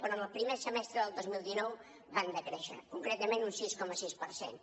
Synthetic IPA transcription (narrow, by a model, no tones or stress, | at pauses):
pəɾə̃nəlˠpɾimɛɾsəmɛst̪ɾəðəlˠd̪ozmilˠd̪inɔw | βand̪əkɾeʃə̰kuŋkɾet̪əmẽnunsiskɔməsispəɾsḛn